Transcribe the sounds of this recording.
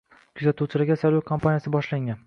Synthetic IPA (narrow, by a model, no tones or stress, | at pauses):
kʲʰʊzat̪uwt͡ʃʰɪlaɡʲasaɾvakʰompʰanijasɪbɒʃlaŋʲan